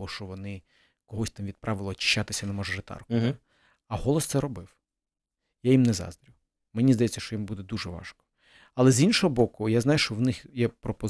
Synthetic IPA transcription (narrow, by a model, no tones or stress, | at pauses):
ɔʃt͡ʃɔʋɔnɪ | kɔɦɔsʲt̪amʋʲid̪̚pɾʔɑʋɪlˠɔt͡ʃɪ̥ʃʲt͡ʃːat̪ɪsʲɐnɛmɔʒɐʐet̪ɑ̰rkʊ | ɐɦɔlˠɔst̪sɛɾɔbɪw | jajimnɛzɑ̰zd̪ɾʲiw | menʲizd̪ɐjɛt͡sʲːɐʃt͡ʃɔjimbud̪ɛd̪uʒɛʋɑ̰ʃkɔ̥ | ɐlˠɛzinʃɔɦɔbɔkʊjaznɑjʊʃt͡ʃɔwnɪxjɛpɾɔpɔ